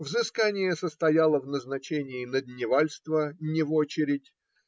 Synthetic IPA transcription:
vzɨskanʲɪjəsəst̪ɐjalˠəvnəznɐt͡ɕenʲɪːnəd̪ʲnʲɪvalʲst̪vənʲɪvot͡ɕɪɾʲɪtʲ

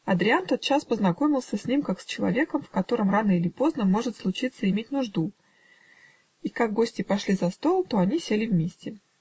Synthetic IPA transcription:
ɐd̪ɾʲɪant̪o̞t̪̚t͡ɕaspəznɐko̞mʲɪlˠsʲəsʲnʲimkaksʲt͡ɕɪlˠɐ̰vʲe̞kəmfkɐt̪o̞ɾəmranəilʲɪpo̞znəmo̞ʐɨt̪slˠʊt͡ɕit̪səɪmʲet̚ʲnʊʐd̪u | ikaɡ̚ːo̞sʲtʲɪpɐʂlʲizɐst̪o̞lˠt̪o̞ɐnʲisʲelʲɪvmʲesʲtʲɪ

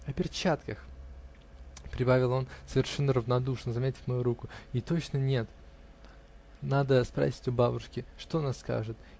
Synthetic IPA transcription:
ɐpʲɪrt͡ɕat̪kəx | pɾʲɪbavʲɪlˠo̞nsəvʲɪrʂɛnːəɾəvnɐd̪uʂnəzɐmʲetʲɪ̥fʲmɐjuɾukʊɪt̪o̞t͡ɕnənʲe̞t̪ | nad̪əspɾa̰sʲɪ̥tʲʊbabʊʂkʲɪʂt̪onaska̰ʐɨt̪

